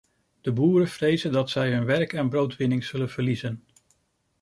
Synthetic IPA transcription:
d̥əbuːɾəv̥rejzəndɑtsɛjɦɵnʋɛɹkɛnbrowtʋɪnɪŋz̥ɵlənv̥əɹlizən

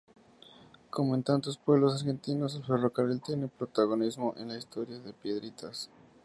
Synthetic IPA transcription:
ko̞moent̪ant̪o̞spwe̞β̞lo̞s̬aɾxe̞nt̪ino̞selfe̞ro̞karilt̪je̞nepɾot̪aɣo̞nizmoʔḛnlaist̪o̞ɾjaðe̞pje̞ðɾit̪ʰas

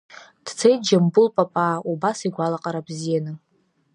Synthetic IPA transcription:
d̥t͡sʰejd͡ʒambʊlpʼapʼaubasiɡʷalaqʼaɾabzijanɨ

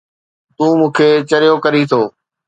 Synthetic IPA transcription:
t̪ũːmũːkʰeːt͡ɕɐɾijokɐɾit̪ʰoː

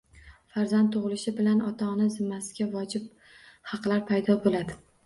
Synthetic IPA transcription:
faɾzant̪ʰːʊʁɨlɪʃɪbɪlanɒt̪ʰɒnɪzɪmːasɪ̥ɡʲavɒd͡ʒɪp̚ | hɑqlˠaɾpʰajd̪ɒbolad̪ɪ

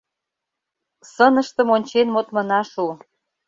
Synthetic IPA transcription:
sənə̆ʃt̪ə̆monʲt͡ɕenmot̪mə̆nɑʃu

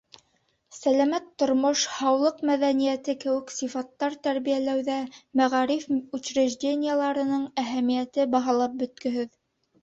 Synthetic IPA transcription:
sælæmæt̪ːŏɾmoʃhɑwlˠɤqmæðænijæt̪ɘkɘ̆wɘ̆ksifɑt̪ːɑɾt̪æɾβijælæwðæmæʁɑɾifʉt͡ɕɾɘ̆ʒdʲenʲɪjəlˠɑɾɤ̆nɤɴæɦæmijæt̪ɘbɑɦɑlˠɑp̚bɵ̆t̪̚kɵ̆ɦɘð

